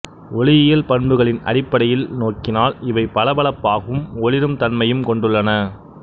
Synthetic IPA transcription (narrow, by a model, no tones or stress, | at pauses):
ʔɔɭɪjɪjɐlpɐɳbɯɣɐɭɪnɐ̰ɽɪpːɐɽɐjɪlnoːkɪnaːlɪʋɐɪpɐlɐbɐɭɐpːaːɣɐɯmɔɭɪɾɯmt̪ɐnmɐjɯmkɔɳɖɯɭːɐnɐ